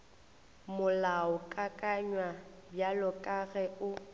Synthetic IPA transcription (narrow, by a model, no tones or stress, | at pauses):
mʊlaɔkʼakʼaɲwabjalɔkʼaɣɛʊ